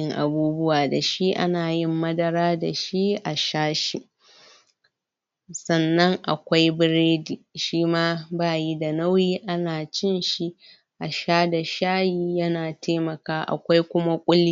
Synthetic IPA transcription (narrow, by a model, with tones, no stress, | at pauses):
ɪ˦ŋʔa̰˨buː˦bʊ˦waː˨da˨ʃi˦ʔa̰˦naː˨jɪ˦mːɐ˦dɐ˦ɾaː˦da˨ʃi˦ʔa˨ʃaː˦ʃi˨ | sɐ˦˨nːɐ˦ŋʔa̰˨kʷa˦jbɪ˦ɾeː˦diː˨ʃiː˦maː˦baː˦˨ji˦da˨na˦wjiː˦ʔa˦naː˨t͡ʃɪ˦nʃi˦ | ʔa˨ʃaː˦da˨ʃaː˦jiː˦jɐ˦naː˨teː˦mɐ˨kaː˦ʔa̰˨kʷa˦jkʷʊ˦ma˦kʷʼʊ˦li˦